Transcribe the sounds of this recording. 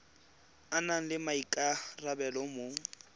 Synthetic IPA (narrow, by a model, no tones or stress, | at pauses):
anaŋ̩lɪmaikʼarabɛlɔmoːŋ̩